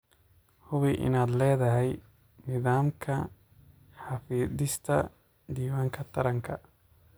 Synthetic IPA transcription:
hʊβiʔɪ̰naːd̪lɛːðɐɦɛj | nɪðaːmkʰɐ | ħɑfiːdɪst̪ʰɐ̰ | d̪iːwaːŋkʰɐt̪ʰɐɾɐŋkʰɐ

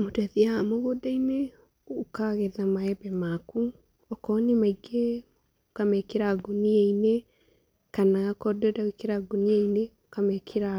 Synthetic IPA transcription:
motɛðiamoɣodaine | okaɣeðamaɛbɛmaku | ɔkɔnemaiɡe | okamɛkeɾaɡonieine | kanaakɔdɔdawekeɾaɡonieineokamɛkʰeɾa

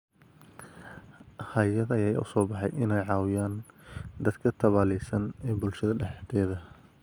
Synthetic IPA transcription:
hɐjɐðɐjaːj̰ːʔʊsɔːbɑħɑjʔɪnɛjʕɑːwɪjaːnd̪ɐd̪kʰɐt̪ʰɐβaːlɛsɐnɛːbʊlʃɐðɐɖɛħt̪ʰɛːðɐ

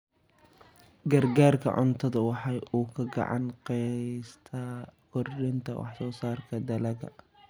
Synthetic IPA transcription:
ɡɐrɡaːrkʰɐ̰ʕʊ̰nt̪ʰɐðɐwɑħɑːjuːkʰɐɡɑ̰ʕɑ̰nqɛst̪ʰɐkʊrɗɪnt̪ʰɐ̰wʔɑ̰ħsɔːsaːrkʰɐd̪ɐlɐɣɐ̰

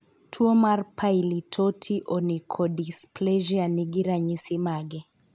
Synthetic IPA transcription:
tʰuɔmaɾpʰajilitʰɔtʰiʔɔnikʰɔdisplɛʒianiɡiɾaɲisimaɡɛ

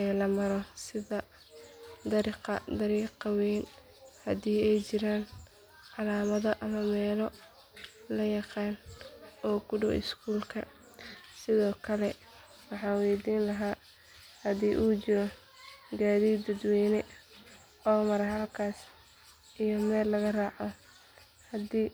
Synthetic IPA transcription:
ɛːlɐmɐɾɔsɪðɐ | d̪ɐɾiːqɑ̰d̪ɐɾiːqɑwɛːn | hɐðiːɛjt͡ʃɪɾaːn | ʕɑlaːmɐðɐʔɐmɐmɛːlɔ | lɐjɑqɑːnɔːɡʰʊɖɔ̰wʔɪ̰skʰuːlkʰɐ | sɪðɔːkʰɐlɛ | wɑħɑːnwɛjd̪iːnlɐɦaː | hɐðiːʔuːt͡ʃɪɾɔ | ɡaːðiːd̪ɐd̪wɛːnɛ | ɔːmɐɾɐɦɐlkʰaːs | ʔijɔmɛːlːɐɣɐrɑːʕɔ | hɐd̪iː

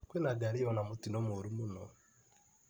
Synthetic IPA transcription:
kwenaɡaɾiɔnamotinɔmoɾumunɔ

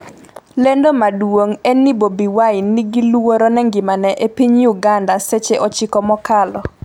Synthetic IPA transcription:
lendomadwoŋɛnibobiwaɪnːiɡilwoɾonɛŋɡɪmanɛʔepiɲjuɡandaset͡ʃeʔɔt͡ʃɪkɔmɔkalɔ

